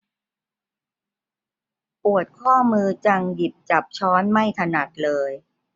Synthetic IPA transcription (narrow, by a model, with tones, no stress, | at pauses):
pu˨˩ət̪̚kʰɔː˥˩mɯː˧t͡ɕa˧ŋdi˨˩p̚t͡ɕa˨˩p̚t͡ɕʰɔː˦˥nma˥˩jt̪ʰa˧na˨˩k̚lɤː˧j